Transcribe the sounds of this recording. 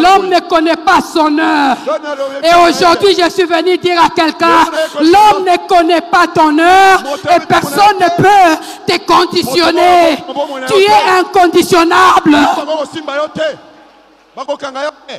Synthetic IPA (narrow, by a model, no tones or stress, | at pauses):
lɔmnəkɔnɛpasɔ̃nœːʁeoʒuʁd̪ɥiʒeswivənyd̪iʁakɛlkɛ̃lɔmnəkɔnɛpat̪ɔ̃nœʁepɛʁsɔnːəpø | t̪əkɔ̃d̪isjɔnet̪yɛɛ̃kɔ̃d̪isjɔnablə